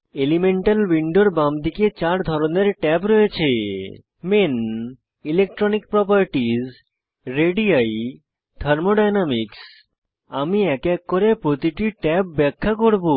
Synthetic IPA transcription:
elimeɳʈalwiɳɖoɾbamd̪ʱiket͡ɕaɾd̪ʱɔɾoneɾʈɛpɾoet͡ɕʰe | men | ilek̚ʈɾonik̚pɾɔpəɾʈiz | ɾeɖiaj | t̪ʰəɾmoɖajnamiks | amiɛkɛkːoɾepɾot̪iʈiʈɛp̚bɛkʰːakoɾbo

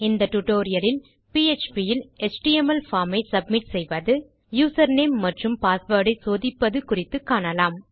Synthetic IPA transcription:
ɪnd̪ɐʈʊʈoːɾɪjɐlɪn | piːet͡ʃpijɪlɛt͡ʃʈiɛmɐlfaːɾmɐɪsɐb̚mɪʈsɛjʋɐðɯ | juːsɐɾneːmːɐʈrɯmpaːsʋɐɽɐɪsoːðɪpːɐðɯkʊrɪt̪ːɯkːaːɳɐlaːm

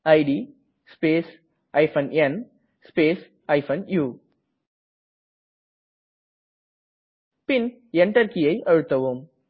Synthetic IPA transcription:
ɐɪɖiː | speːs | ɐɪfʰɐnɛn | speːs | ɐɪfɐnjuː | pɪn | ɛɳʈɐɾkɪjɐɪʔɐɻɯt̪ːɐʋum

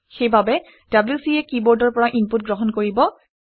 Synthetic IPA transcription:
xejbabɛ | d̥abljusiɛkibɔɹdɔɹpɔɹaʔimput̚ɡɹɔɦɔnkoɹibɔ

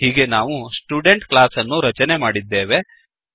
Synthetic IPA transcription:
ɦiːɡe̞naːʋusʈjuːɖeɳʈklaːsɐnːuɾɐt͡ʃɐne̞maːɽid̪ːe̞ːʋe̞

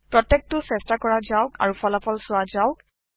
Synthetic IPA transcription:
pɹɔtːek̚tʊsɛstakɔɹazaʊka̰ɹupɔlapʰɔlsʊazaʊk

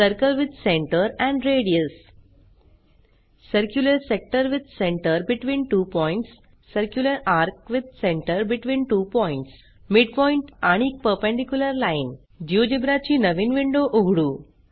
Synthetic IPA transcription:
səɾkəlʋɪd̪ʱsẽɳʈəɾɛ̃ɳɖɾeːɖiəs | səɾkjuləɾsek̚ʈəɾʋɪd̪̚sẽɳʈəɾbiʈʋĩːnʈuːpɔ̃ɪ̃ɳʈsː | əɾkjuləɾaːɾk̚ʋɪd̪̚ʱsẽɳʈəɾbiʈʋĩːnʈuːpɔɪ̃ɳʈs | miɖpɔĩɳʈaɽ̃ik̚pəɾpẽɳɖikjuləɾlaɪn | d͡ʒiod͡ʒibɾat͡ɕinɐʋinʋiɳɖoʔuɡɽuː

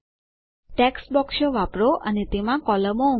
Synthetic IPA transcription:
ʈeksbɔkʃoʋapɾoʔənet̪emãkɔləmou

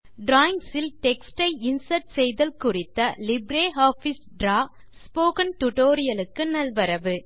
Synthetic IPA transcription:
ɖɾaːɪŋɡsɪlʈɛksʈɐɪɪnsɐɾʈsɛjðɐlkʊrɪt̪ːɐlɪbɾeːɦaːfisɖɾaː | spoːkɐnʈ̪ʊʈoːɾɪjɐlɯkːɯnɐlʋɐɾɐʋɯ

